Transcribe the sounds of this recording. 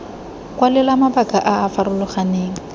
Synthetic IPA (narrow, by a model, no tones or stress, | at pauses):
kwalɪlamabakʼaʔaːfaɾʊlʊχaneːŋ̩